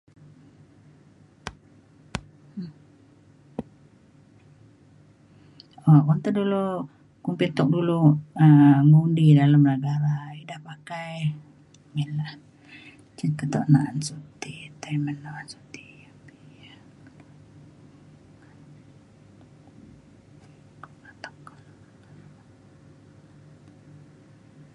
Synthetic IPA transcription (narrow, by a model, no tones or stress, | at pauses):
okunt̪adulu | kumpit̪ɔk̚duluəmundidalamnəɡaɾaidahpakaj | milah | t͡ʃət̪kət̪oʔnaʔansut̪it̪aimənːaansu̥t̪i̥apiija | at̪ɔ̥k